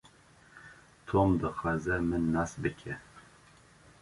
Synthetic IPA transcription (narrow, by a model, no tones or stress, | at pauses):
t̪ʰomd̪ɨxɑːzɛmɨnːɑsbɨkʲʰɛ